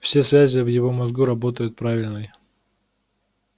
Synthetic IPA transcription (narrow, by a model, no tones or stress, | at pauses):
fsʲe̞svʲæzʲɪvjɪvo̞mɐzɡuɾɐbo̞t̪əjʊt̪̚pɾavʲɪlʲnɨj